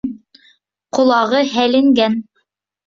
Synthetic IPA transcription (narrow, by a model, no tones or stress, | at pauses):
qŏlˠɑʁɤɦælɘ̆ŋɡæn